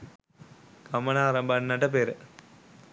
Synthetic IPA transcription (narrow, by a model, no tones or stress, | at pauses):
kɐmɐnaːɾɐmbɐnnːɐʈːɐp̬eːɾ